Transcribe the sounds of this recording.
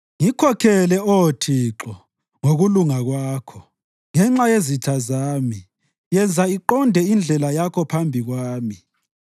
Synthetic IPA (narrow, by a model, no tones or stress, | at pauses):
ŋikʰɔkʰɛlɛɔtʰiǁɔ | ŋoɣuluŋaɣwaːkʰɔ | ŋɛŋ͡ǁajezitʰazaːmi | jɛnd͡zʱaiǃɔndʱɛind͡ɮʱɛlajakʰɔpʰambʱiɣwaːmi